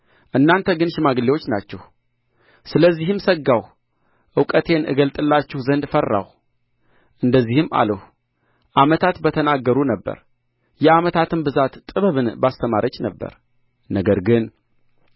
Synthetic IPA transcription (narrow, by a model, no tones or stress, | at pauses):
ʔɨnːant̪ʰəɡɨnʃɪmaɡɨlːewo̞t͡ʃːnat͡ʃːɛh | sɨləzːihɨmsəɡːaw | ʔɨwkʼət̪ʰe̞nʔɨ̰ɡəlt̪ʼɨlːat͡ʃːɛhzənd̪fərːa̰w | ʔɨnd̪əzːihɨmːa̰ləh | ʔamət̪ʰat̪bət̪ʰənaɡːəɾunəbːə̰ɾ | jɛamət̪ʰat̪ʰɨnbɨzat̪t̪ʼɨβɨβɨnbast̪ʰəmaɾʔət͡ʃːnəbːə̰ɾ | nəɡəɾɡɨn